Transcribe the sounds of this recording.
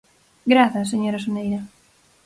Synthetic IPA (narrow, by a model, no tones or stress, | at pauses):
ɡɾaθɐs̬eɲoɾɐsonejɾɐ